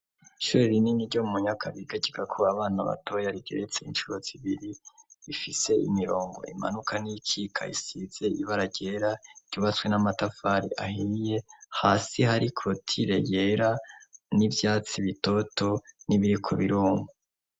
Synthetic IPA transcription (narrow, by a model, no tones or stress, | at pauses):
iʃuɾeɾininiɾɟo̞muɲakʰaβiɡaɟiɡakʰoaβaːnaβa̰tʰo̞jaɾiɡe̞ɾet͡se̞inʃuɾoz̥iβiɾiifise̞imiɾo̞ːŋɡo̞̰ʔḭma̰nukʰanijikʰiːkʰa̰isiːz̥e̞iβaɾaɟe̞ɾaɾ̥ɟ̥uːβat͡swe̞namatafaɾiʔa̰hije̞haːsihaɾikʰo̞tʰiɾe̞jeɾanivjaːt͡siβito̞to̞niβiɾikʰo̞̰βiɾuːŋo